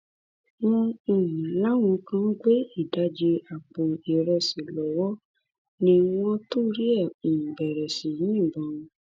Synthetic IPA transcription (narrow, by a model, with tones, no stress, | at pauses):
wɔ̃˧ũ˨nũ˨˦la˦w̃ũ˧˦kã˦ɡ͡be˦i˦˨da˨˦d͡ʒe˧a˨k͡po˨i˨ɾɛ˧˨si˨lɔ˨˦wɔ˦ | nĩ˧˦w̃ɔ̃˦tu˦˨˦ɾi˦ɛ˦˨i˨jĩ˨bɛ˨ɾɛ˨si˨jĩ˦˨ɡ͡bɔ̃˨˦ũ˧